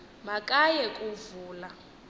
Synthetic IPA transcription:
makʼajɛkʼuvuːla

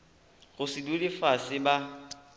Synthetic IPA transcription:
ɣʊsɪdulɪfasɪba

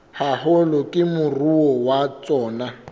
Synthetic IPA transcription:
hahɔlɔkʼɪmʊruɔwat͡sʼɔːna

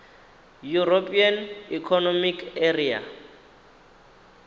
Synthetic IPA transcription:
juropʼianikʰɔnɔmikeria̰

